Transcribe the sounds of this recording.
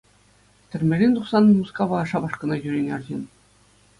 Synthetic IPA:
t̪ʲɘ̆rʲmʲĕɾʲenʲt̪uχsɑnːɤmuskɑʋɑːʂɑbɑʂkɤ̆nɑʑyɾʲenʲɑrʑin

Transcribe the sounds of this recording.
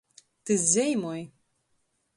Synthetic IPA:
t̪ɨzʲejmoj

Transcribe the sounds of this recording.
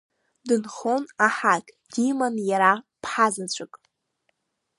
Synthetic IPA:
dɨnχonaħakʼ | d̥imanjaɾa | pʰħazat͡ɕʷʰʼɨkʼ

